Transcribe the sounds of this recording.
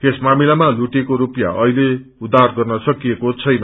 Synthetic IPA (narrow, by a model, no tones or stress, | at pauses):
esmamilamaluʈekoɾupja̰ʔʌile | ud̪ʱarɡʌrnʌsʌkijekot͡sʰʌjnʌ